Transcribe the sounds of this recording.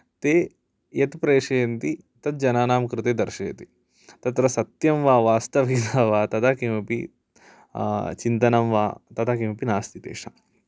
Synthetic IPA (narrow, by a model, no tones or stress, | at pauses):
t̪eː | jɐt̪pɾeːʂeːɐnt̪i | t̪ɐt̪̚d͡ʒɐnaːnaːmkɾɨt̪eːd̪ɐɾʃeːt̪i | t̪ɐt̪ɾɐsɐt̪jɐmʋaːʋaːst̪ɐʋɦid̪aʋaːt̪ɐt̪ʰakeːmɐpḭ | t͡ʃint̪ɐnɐmʋa̰ːt̪ɐt̪ʰakeːmɐpinaːst̪ʰit̪ḛːʂɐ̰